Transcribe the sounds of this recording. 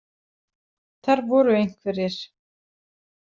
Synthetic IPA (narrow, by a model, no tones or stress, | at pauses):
θaɾvɔɾʏejŋ̥kvɛɾɪɾ̥